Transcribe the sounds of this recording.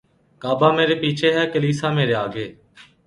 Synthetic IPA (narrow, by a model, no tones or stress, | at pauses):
kaːbaːmeːɾeːpiːt͡ʃʰeːɦɛːkəliːsaːmeːɾeːaːɡeː